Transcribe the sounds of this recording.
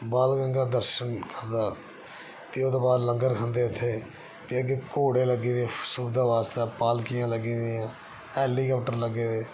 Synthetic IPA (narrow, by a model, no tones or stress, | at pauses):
baːlɡəŋɡaːd̪əɾʃənkəɾd̪aː | pɪoːd̪oːbaːɾləŋɡəɾkʰə̃nd̪eːʊt̪ʰːeː | pɪəɡekoːɽeːləɡiːd̪eːsuːd̪aːʋaːst̪eːpaːlkɪjãːləɡiːd̪iːãː | ɛːliːkaːpʈəɾləɡːeːd̪eː